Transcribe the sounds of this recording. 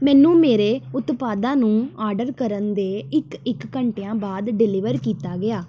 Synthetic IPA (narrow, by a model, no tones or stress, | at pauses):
mɛ̃ːnũːmeːɾeːʊt̪paːd̪ãːnũːaːɾɖəɾkəɾənd̪eːɪkɪkːəɳʈejãːbaːd̪ɖɪlɪʋəɾkiːt̪aːɡɪaː